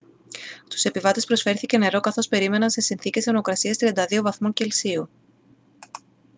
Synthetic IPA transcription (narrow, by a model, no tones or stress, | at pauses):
st̪u̥se̞pivɐt̪e̞spɾo̞sfe̞ɾθice̞ne̞ɾo̞kɐθo̞spe̞ɾime̞nɐnse̞sinθice̞senookɾɐsiɐst̪ɾiɐnd̪ɐðio̞vɐθmoɲce̞lsiu